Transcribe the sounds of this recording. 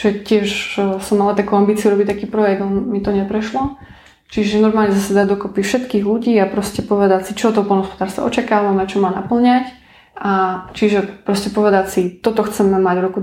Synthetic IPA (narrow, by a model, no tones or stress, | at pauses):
ʒɛcɪɛʃsɔmːalat̪akuʊambiːt͡siuɾɔbict̪akiːpɾɔjɛɡd̪mit̪ɔɲɛpɾɛʃlɔ | t͡ʃiʒɛnɔɾmaːlɲɛzasad̪aːd̪ɔkɔpifʃɛt̪kiːɣluɟiːapɾɔscɛpɔʋɛd̪acsit͡ʃɔt̪ɔpɔlnɦɔspɔd̪aːɾst̪a̰ɔ̰t͡ʃakaːʋamɛt͡ʃɔmaːnapl̩ɲac | ʔat͡ʃiʒɛpɾɔscɛpɔʋɛd̪acsit̪ɔt̪ɔxt͡sɛmɛmaɟɾuku